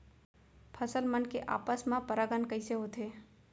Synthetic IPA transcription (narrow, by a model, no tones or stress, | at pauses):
pʰəsəlmənkeʔa̰ːpəsmãpɐɾaɡənkəɪseɦoːt̪eː